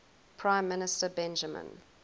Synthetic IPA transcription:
pʰɹ̥ãɪ̃mːɪnɪstəbɛ̃nd͡ʒəmə̰̃n

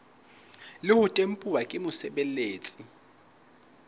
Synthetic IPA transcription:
lɪhʊtʼem̩pʼuwakʼɪmʊsɛɓɛleːt͡sʼi

